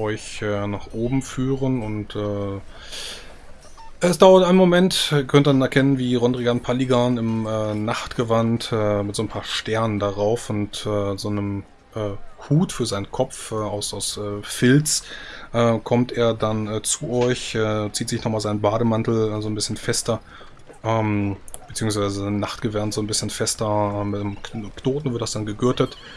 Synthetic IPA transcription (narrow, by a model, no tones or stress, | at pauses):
ʔɔʏçɛːnaːχʔoːbm̩fyːʁənʊntɛː | ʔɛsd̥aʊɐtaɪnmomɛntːkʰœntdanɛɐkʰɛnənviːʁɔndʁiɡanpʰaliɡanɪmɛːnaχtɡ̥əvantɛːmɪtz̥oːnpʰaːɐʃtɛɐnəndaʁaʊfʊntɛːzoːnəm | ʔɛːhuːtfyːɐzaɪnənkʰɔp͡fɛːaʊsaʊsɛːfɪlt͡sʔɛːkʰɔmteːɐdanɛːt͡suɔɪçɛːt͡siːtz̥ɪçnɔχmaːlzaɪnənbaːɾəmantl̩ɛːzoːnbɪsçənfɛstɐ | ʔɛːmb̥ət͡siːʊŋsv̥aɪzəzanaχtɡ̥əvantz̥oːnbɪsçənfɛstɐɛːmɪtknoːtn̩vɪɐtd̥asd̥anɡəɡʏɐtət